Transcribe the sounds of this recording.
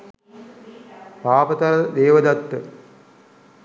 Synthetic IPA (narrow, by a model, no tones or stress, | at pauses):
paːpɐt̪ɐɾɐd̪eːʋəd̪at̪ːə